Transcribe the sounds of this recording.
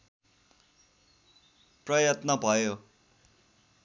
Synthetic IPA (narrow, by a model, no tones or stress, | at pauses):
prʌjʌt̪nʌbʱʌjo